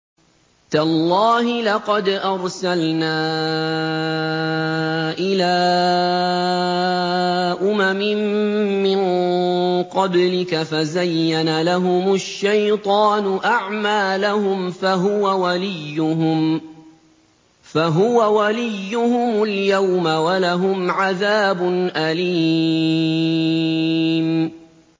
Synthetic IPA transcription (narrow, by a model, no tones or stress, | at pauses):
t̪alˤːɑːɦɪlɑqɑd̪ʔɑɾˤsalnaː | ʔɪlaː | ʔʊmamɪmːɪn | qɑblɪkafazajːanalaɦʊmʊʃːajt̪ˤɑːnʊʔaʕmaːlahʊmfaɦʊwawalɪjːʊɦʊm | faɦʊwawalɪjːʊhʊmʊljawmawalaɦʊmʕaðaːbʊnʔaliː | m